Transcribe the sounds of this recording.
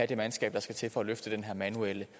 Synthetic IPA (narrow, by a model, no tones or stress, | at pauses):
æɐd̥e̝mænsɡ̥ɛ̰ːb̥̚d̥ɑ̈sɡ̥æt͡sʰe̝lfɒ̽æløfd̥əd̥enɦæɐ̰mænuelə